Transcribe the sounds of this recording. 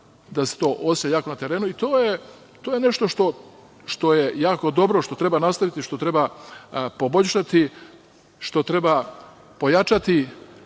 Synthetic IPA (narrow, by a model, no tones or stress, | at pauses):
d̪ase̥t̪o̞ːʔosjaːkonat̪e̞ɾe̞ːnuit̪oːje | t̪oːjene̞ʃt̪o̞ʃt̪o̞ | ʃt̪o̞jejaːko̞d̪o̞bɾo̞ʃt̪o̞t̪ɾe̞banast̪aʋit̪iʃt̪o̞t̪ɾe̞ba | po̞bo̞ʎʲʃat̪i | ʃt̪o̞t̪ɾe̞ba | po̞jat͡ʃat̪i